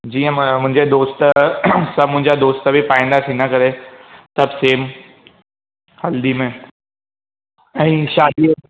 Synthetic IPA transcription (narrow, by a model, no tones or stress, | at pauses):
d͡ʑiːə̃mʊ̃ɦɪ̃ɲd͡ʑed̪oːst̪sɐmʊ̃ɦɪ̃ɲd͡ʑad̪oːst̪əbʱipaːĩːn̆d̪at̪ʰĩːnd̪akɐɾesɐbseːm | hɐld̪imẽ | ɛ̃ːʃaːd̪i